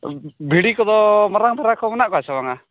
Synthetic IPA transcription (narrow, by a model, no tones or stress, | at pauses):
bʱiɽikɔd̪ɔmɔɾaŋd̪ʱɔɾakɔmɔnaʔkɔɦat͡ʃʰabaŋa